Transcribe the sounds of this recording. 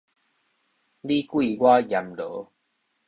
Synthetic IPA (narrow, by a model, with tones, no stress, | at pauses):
li˦kwi˥˧˨ɡwa˦ja˨mlə˨˦